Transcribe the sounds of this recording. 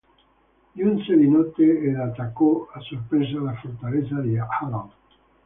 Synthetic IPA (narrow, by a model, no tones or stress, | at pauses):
dunsed̪inɔt̪eelat̪akoasoɾpɾezalafort̪alesad̪iaalan